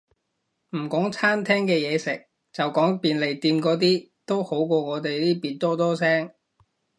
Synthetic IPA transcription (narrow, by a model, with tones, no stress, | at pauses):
m̩˨˩kɔː˨˥ŋt͡sʰaː˥nt̪ʰɛː˥ŋkɛː˧jɛː˨˧sɪ˨˩k̚ | t͡sɐ˨wkɔː˨˥ŋpiː˨˧nle˨˩jt̪iː˧nkɔː˧t̪̬iː˥t̪o˥who˨˥wkɔː˧ŋɔː˨˧t̪e˨jliː˥piː˨t̪ɔː˥t̪ɔː˥sɛː˥ŋ